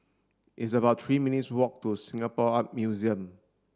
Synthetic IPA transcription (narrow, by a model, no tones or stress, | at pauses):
ʔits̬əbaʊtʰɹiːmĩnitswɔk̚tusĩŋapɔap̚mjuziə̃m